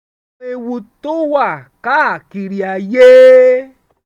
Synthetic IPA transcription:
e˧wu˧to˦wa˦˨ka˦a˨ki˨ɾi˨a˨jeː˦

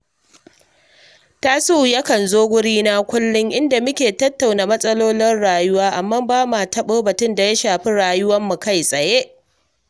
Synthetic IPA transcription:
ta˦suː˦˨jɐ˦kɐ˨nzoː˦ɡʷʊ˦ɽiː˦na˦kʷʊ˦lːʊ˦ŋʔɪ˦nda˨mʊ˦kʲeː˨tɐ˦tːa˨wnaː˨mɐ˦sʼɐ˦loː˦lɪ˦nɽaː˨jʊ˦waː˦ʔa˨mːaː˦baː˦maː˨tɐ˦ɓoː˦bɐ˨tʊ˦nda˨ja˦ʃaː˨ɸi˦ɽaː˨jʊ˦wɐ˦mːu˨ka˦˨jsʼɐ˨je˦ʔ

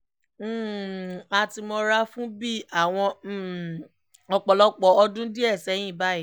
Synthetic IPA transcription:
m̩ː˦˨a˧ti˧mɔ̃˧ɾa˦fũ˦bi˦a˦˨w̃ɔ̃˧˦˨ | ɔ˧k͡pɔ˨lɔ˦k͡pɔ˨˦ɔ˧dũ˦di˦ɛ˦˨sɛ˨˦j̃ĩ˦˨ba˦i˦˨

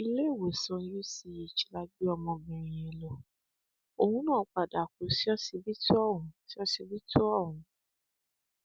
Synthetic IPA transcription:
i˧le˦˨wo˨sã˧˦ju˦si˧je˨t͡ʃi̥˨la˧ɡ͡bi˦ɔ˧mɔ̃˧bɛ̃˨ɾ̃ĩ˨ɛ˨lɔ˨ | o˧hũ˦nãː˦˨˦k͡pa˨da˨ko˨si˦ɔ˦si˧bi˦tu˦ɔ˦˨ɦũ˨˦si˦ɔ˦si˧bi˦tʰu˦ɔ˦˨wũ˨˦

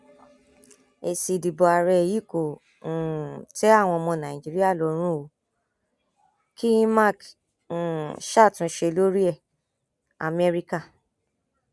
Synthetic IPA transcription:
e˨si˨di˨bɔ˨a˨ɾɛ˧˨ji˨˦ko˨ | tɛ˦a˦˨w̃ɔ̃˧mɔ̃˧nã˨ĩ˨d͡ʒi˨˦ɾi˦a˦˨lɔ˨˦ɾ̃ũ˦o˨˦ | ki˦ma˦˨k | ʃa˦˨tũ˨˦ʃe˧lo˦ɾi˦ɛ˦˨ | a̰˨mɛ˦ɾi˦ka˦˨

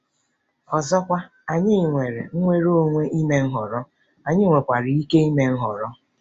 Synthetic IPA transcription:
ɔ˨zɔ˦kʷa˦ | a˨ɲɪ˦˨ŋʷe˨ɾe˨ŋ̩˦ŋʷe˦ɾo˦ŋʷe˦ʔi˦me˦ŋ̩˦ɦɔ˨ɾɔ˦ | a˨ɲɪ˦ŋʷe˨kʷa˨ɾɪ˨i˦ke˦i˦me˦ŋ̩˦ɦɔ˨ɾɔ˦

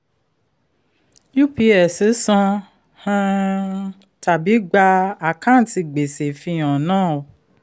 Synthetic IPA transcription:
ju˦pi˧ɛ˨se˨˦sɔ̃˧ | hã˦˧ | ta˨bi˨˦ɡ͡ba˧a˨kã˦n̩˦ti˧ɡ͡be˨se˨fĩ˧˦ɔ̃˨nãː˦˨o˨

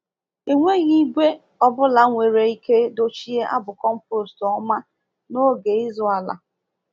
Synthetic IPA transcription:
e˨ŋʷe˦ɣi˦ɡʷe˦ | ɔ˨bʊ˦la˨˦ŋʷe˨ɾe˨i˦ke˦do˨t͡ʃi˦e˦ʔa̰˦bʊ˨kɔ˦m̩˦pɾo˨stɔ˦ma˦ | no˦ɡe˨ɪ˦zʊ˨˦a˨la̰˨

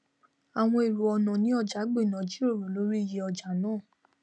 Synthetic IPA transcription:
a˨w̃ɔ̃˧e˨ɾu˨ɔ˧nɔ̃˨nĩ˨˦ɔ˧d͡ʒa˨˦ɡ͡be˦˨nã˨˦d͡ʒi˦o˦˨ɾo˨˦lo˨˦ɾi˦˨je˧˦ɔ˧d͡ʒa˨˦nãː˦˨

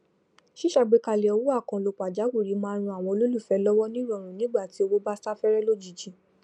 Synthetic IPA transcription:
ʃi˦ʃa˦˨ɡ͡be˨˦ka˧˨le˨ɔ˧wu˦a˦˨kã˨lo˧k͡pa˨d͡ʒa˨˦wu˦˨ɾi˨˦mãː˦ɾ̃ũ˧a˨w̃ɔ̃˧o˧lo˦lu˦˨fɛ˨˦lɔ˦wɔ˦nĩ˦ɾɔ˦˨ɾ̃ũ˨nĩ˦ɡ͡ba˦˨ti˨˦o˧wo˦ba˦sa˦fɛ˦ɾɛ˦lo˦˨d͡ʒi˨d͡ʒi˨˧

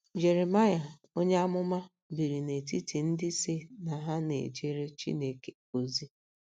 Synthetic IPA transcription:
d͡ʒe˨ɾe˨ma˦ja˨ | o˦ɲe˦a˦mʊ˦ma˦ | bi˨ɾi˨ne˨ti˦ti˨n̩˦dɪ˦se˦na˨ɦa˦nḛ˨d͡ʒe˦ɾe˦t͡ʃḭ˦ne˦˨ke˨ | o˨zi˦

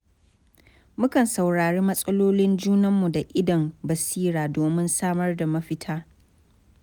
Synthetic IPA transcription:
mʊ˦kɐ˨nsɐ˨wɽaː˨ɽiː˦mɐ˦sʼɐ˦loː˦lɪ˦nd͡ʒuː˦nɐ˦mːu˨da˨ʔɪ˦dɐ˨mbɐ˨siː˦ɽaː˨doː˨mɪ˦nsaː˦mɐ˦rda˨mɐ˦ɸɪ˦tʰaː˦

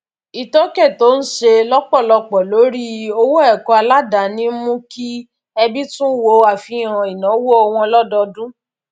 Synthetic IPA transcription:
i˨tɔ˦kɛ˦˨to˦n̩˦ʃe˧lɔ˦k͡pɔ˦˨lɔ˧k͡pɔ˨lo˨˦ɾi˦o˧wo˦ɛ˦˨kɔ˧˦a˧la˦da˨nĩ˦mũ˦ki˦ | ɛ˧bi˦tũ˦wo˧a˨fĩ˧ã˨i˨nã˨˦wo˦ɔ˧w̃ɔ̃˧lɔ˦dɔ˧dũ˦

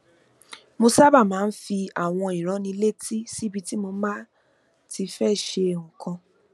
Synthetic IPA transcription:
mo˧sa˦ba˦˨mãː˨˦n̩˦fi˧a˨w̃ɔ̃˧i˨ɾ̃ɔ̃˨˦nĩ˧le˦˨ti˦si˦˨bi˧ti˦mo˧˦mã˦ | ti˧fɛ˦˨ʃe˧˨ɔ̃˨kʰã˧

